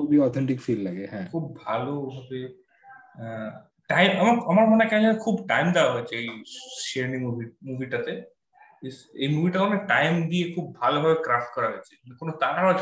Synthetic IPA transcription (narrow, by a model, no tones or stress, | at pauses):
kobiɔt̪ʰeɳʈikfillaɡeɦɛ̃kʰubːʱalobʱabe | ʈajmamaamaɾmɔnekaɦĩlenekʰubʈajmd̪awaɦojt͡ʃʰeejsieɾnimubʱimubʱiʈat̪e | ejmubʱiʈakoneʈajmd̪iekʰub̚ːʱalobʱabekɾafʈ̚kɔɾaɦɔjt͡ʃʰe̥konot̪akaɾɦɔot͡ʃʰ